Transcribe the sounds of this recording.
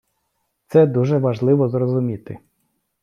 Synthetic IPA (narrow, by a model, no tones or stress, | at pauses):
t̪sɛd̪uʒɛʋɐʒlˠɪʋɔzrɔzʊmʲit̪ɪ